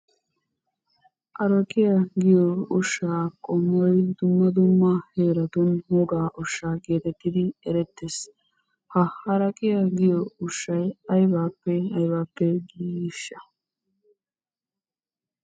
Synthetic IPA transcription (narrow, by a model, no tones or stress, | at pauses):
ʔɐɾɐkʼɪjɐɡɪjɔʊʃːaːkʼɔmːɔjd̪ʊmːɐd̪ʊmːaheːɾɐt̪ɔnhɔɡaːʔɔʃːaːɡe̞ːt̪ɛt̪ːɪd̪ɪɛɾɛt̪ːes | hɐɐɾɐkʼɪjɐɡɪjɔʊʃːɐjɐjbaːpːɛɐjbaːpːɛɡiːʃːɐ